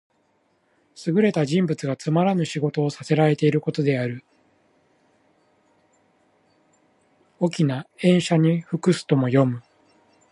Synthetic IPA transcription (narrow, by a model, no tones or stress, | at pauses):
sɨɡɯ̟ɾe̞t̪aʑĩmbɯt͡sɨɡat͡sɨmaɾanɯ̟ɕiɡo̞t̪o̞ːsase̞ɾaɾe̞t̪e̞iɾɯ̟ko̞t̪o̞d̪e̞aɾɯ̟ | okʲinaẽ̞ɰ̃ɕaɲ̟iɸɯ̟kɯ̟sɨ̥t̪o̞mo̞jo̞mɯ̟